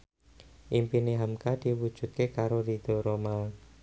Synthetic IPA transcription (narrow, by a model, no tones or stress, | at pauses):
ʔimpineɦamkad̪̥iwud̥ʒ̥ṳt̪̚kekaɾodid̪̥oɾomal